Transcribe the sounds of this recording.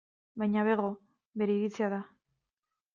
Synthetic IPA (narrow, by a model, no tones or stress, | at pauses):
bajɲaβeɣo̞ | be̞ɾe̞iɾit͡siaða